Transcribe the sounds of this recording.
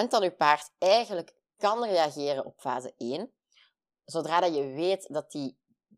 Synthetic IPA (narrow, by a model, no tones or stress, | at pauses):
əntdɑnypaːrtɛjɣənlək | kɑnreːɑɣeːrənɔ̰pfaːzə̰eːn | zodraːdɑjəʋeːtdɑt̚i